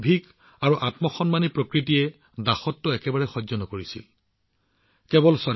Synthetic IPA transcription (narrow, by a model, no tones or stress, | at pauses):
bʱiɡ | aɹuʔatmɔxɔnmanipɹokɹitijɛ | daxɔtːʊɛkɛbaɹɛxɔzɔnɔkoɹisḭl | kɛbɔlsɔ